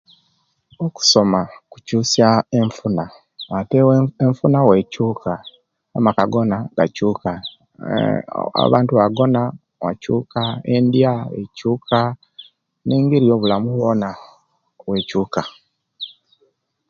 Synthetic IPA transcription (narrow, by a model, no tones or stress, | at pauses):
oku̥so̞maku̥cuːsaeɱfuna | ateweɱfunawecuːkʰa | a̰makaɡo̞naɡ̥acuːka | a̰βaːntuβaɡo̞na | wa̰cuːkaendjaḛcuːkʰa | ne̞ːŋɡeɾijo̞βulamuwona | we̞cuːka